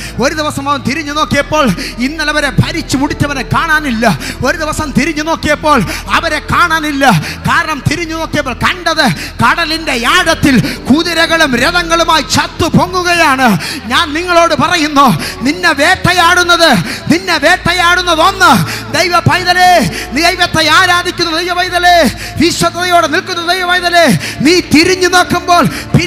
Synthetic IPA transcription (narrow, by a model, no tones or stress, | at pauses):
o̞ɾuðiʋɐsɐmɐʋɐnt̪iɾiɲːuno̞ːkːijɐpːo̞ːɭinːɐlɐʋɐɾe̞pʰɐɾit͡ɕːumuɽit͡ɕːɐʋɐnekːaːɳaːnilːɐo̞ɾuðiʋɐsɐmt̪iɾiɲːuno̞ːkːijɐpːo̞ːɭɐʋɐɾe̞kaːɳaːnilːɐkaːɾɐɳɐmt̪iɾiɲːuno̞ːkːijɐpːoːɭkɐɳɖɐðɨkɐɽɐlinde̞jaːɽɐt̪ːilkuːðɐɾɐɣɐɭumɾeðɐŋːɐɭumaːjit͡ɕɐt̪ːupo̞ŋːuɣɐjaːɳɨɲaːnniŋːɐɭo̞ːɽɨpɐrɐjunːo̞ːninːe̞ʋeːʈːɐjaːɽunːɐðɨninːe̞ʋeːʈːɐjaːɽunːɐðo̞nːɨd̪ejʋɐpɐjðɐleːnejʋɐt̪ːeaːɾaːd̪ʱikʲːunːɐd̪ejʋɐpɐjðɐleː | ʋiɕwɐd̪ɐðɐjo̞ːɽenilkunːɐd̪ejʋɐpɐjðɐleːniːt̪iɾiɲːuno̞ːkːumbo̞ːɭpi